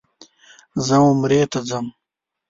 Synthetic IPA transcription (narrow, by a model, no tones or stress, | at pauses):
zɐwumɾeːt̪ɐd͡zɐm